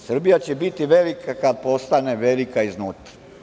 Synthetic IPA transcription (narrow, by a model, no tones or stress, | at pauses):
sr̩bijat͡ɕebit̪iʋelikʰakad̪̚po̞st̪aneʋelikaiznuːt̪ḁ